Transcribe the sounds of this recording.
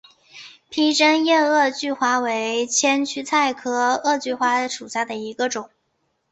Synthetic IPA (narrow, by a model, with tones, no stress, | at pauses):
pʰi˥ʈ͡ʂə˥njɛ˥˧ɤ˥˧t͡ɕy˥˩xwa˧˥we˧˥ɪt͡ɕʰjɛ˥nt͡ɕʰy˥t͡sʰa˥˩ɪkʰɤ˥ɤ˥˧t͡ɕy˥˩xwa˧˥ʂu˨˩ɕja˥˩d̪ə˩i˧˥ɡə˧ʈ͡ʂʊ˨˩˦ŋ